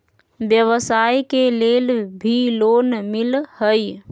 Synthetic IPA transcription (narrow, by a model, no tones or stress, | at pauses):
bjəʋsajkelelbʱilonmilhəj